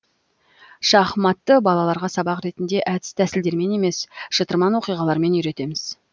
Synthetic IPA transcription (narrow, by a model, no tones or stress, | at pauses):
ʃɑχmɑt̪ːəbɑlˠɑlˠɑɾʁɑsɑbɑqɾe̞t̪ɪnd̪e̞ʔæt̪ɪ̥st̪ʰæsɪld̪e̞ɾme̞ne̞me̞sʃət̪əɾmɑnwo̞qijʁɑlˠɑɾme̞nʏjɾe̞t̪e̞mɪz̥